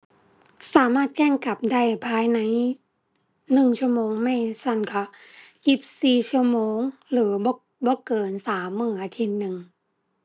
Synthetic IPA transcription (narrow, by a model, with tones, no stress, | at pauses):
saː˩˦maː˥˩t̪̚kɛː˥˩ŋka˨˩p̚da˥˩jpʰaː˨˧˥jna˧˦˥j | nɯ˨˩ŋt͡ɕʰu˥˩ɐmoː˧ŋma˥˩jsa˧˥˩nkʰa˧˩ji˧˩p̚siː˨˩t͡ɕʰɯ˥˩ɐmoː˧ŋlɯː˩˦b | bɔː˧˦kɤː˨˩nsaː˩˦mːɯː˧˩ʔaː˧˦t̪ʰi˧˥t̪̚nɯ˨˩ŋ